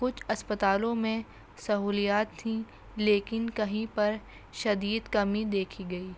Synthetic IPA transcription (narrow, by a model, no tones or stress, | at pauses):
kʊt͡ʃʰɐspət̪aːlõmẽ | sɐɦuːlijaːt̪ʰːĩ | leːkɪnkɐɦĩpɐɾ | ʃɐd̪iːd̪kɐmĩd̪eːkʰiɡɐiː